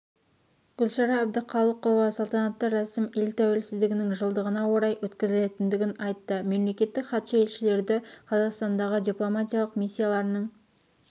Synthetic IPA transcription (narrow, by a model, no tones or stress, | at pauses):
ɡʲʊlʃɑɾɑːb̚d̪ɪqʰɑlˠəqo̞vɑsɑlˠt̪ɑnɑt̪ːəɾæsɪme̞lt̪ʰæwe̞lsɪzd̪ɪɡʲɪnɪŋʒəlˠd̪əʁənɑwo̞ɾɑjwɵt̪kʲɪzɪle̞t̪ɪnd̪ɪɡʲɪnɑjt̪ːəme̞mle̞kʲe̞t̪ːɪkχɑt̪ʃɑe̞lʃɪle̞ɾd̪ɪqʰɑzɑqst̪ɑnd̪ɑʁəd̪iplˠo̞mat̪ijɑlˠəqmisʲːijalˠɑɾənəɴ